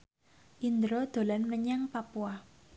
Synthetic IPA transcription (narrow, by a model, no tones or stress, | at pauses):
ʔind̪ɾɔd̪̥o̤lanməɲaŋpapua